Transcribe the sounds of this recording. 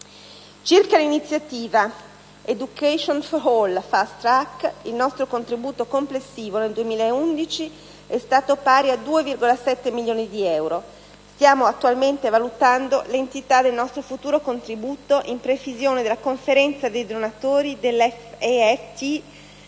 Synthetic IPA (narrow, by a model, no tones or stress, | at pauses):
t͡ʃirkalinit̪sːjat̪iːva | ed̪ukeʃonfolfast̪ɾakilnɔst̪ɾokont̪ɾibuːt̪okomplesːiːvoneld̪uemiːlaeund̪it͡ʃi | ɛst̪aːt̪opaːɾiad̪uːevirɡolasɛt̪ːemiljoːnid̪iɛwɾo | st̪jaːmoat̪ːualment̪evalut̪and̪olent̪it̪ad̪elnɔst̪ɾofut̪uːɾokont̪ɾibuːt̪oʔimpɾevizjoːned̪elakoɱfeɾɛnt̪sad̪ejd̪onat̪oːɾid̪elɛfeɛt̪i